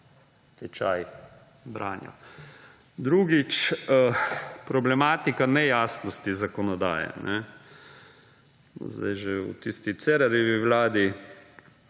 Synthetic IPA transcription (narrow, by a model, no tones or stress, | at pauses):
t̪ɛt͡ʃaj | bɾa̰ːnjɔ̰ | d̪ɾuɡit͡ʃəpɾɔblɛmaːt̪ikanɛjaːsnɔst̪izakɔnɔd̪a̰ːjɛ̰nʔɛ | n̰zd̪a̰jʒeṵt̪ist̪it̪sɛɾaɾiʋiʋlaːd̪i